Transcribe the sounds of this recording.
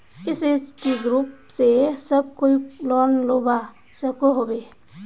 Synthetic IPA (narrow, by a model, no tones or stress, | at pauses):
iseskiɡɾupsesəb̚koilɔnloba | səkoɦobe